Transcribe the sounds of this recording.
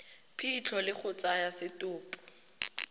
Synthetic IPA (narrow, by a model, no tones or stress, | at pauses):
pʰit͡ɬʰɔlɪk͡xʰʊt͡sajasɪtʊːpʼʊ̥